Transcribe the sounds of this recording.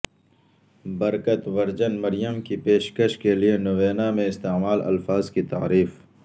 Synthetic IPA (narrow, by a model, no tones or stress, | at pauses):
bɐɾkət̪ʋɐɾd͡ʒənmɐɾɪjəmkipeːʃkəʃkelienʊʋeːnamẽɪst̪eːmaːlɐ̰lfaːzkit̪a̰ːɾiːf